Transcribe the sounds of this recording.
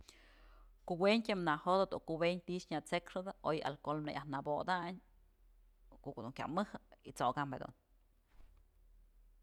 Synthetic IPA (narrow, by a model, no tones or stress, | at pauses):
kuʔweɲtʲamnahod̪od̪ukubeɲʲt̪it͡ʃɲat͡sekʂɨd̪ɨʔoja̰lkolmnejʔahnabod̪aɲ | koʔkod̪uŋkʲa̰mɨhɨit͡soɡambed̪ṵn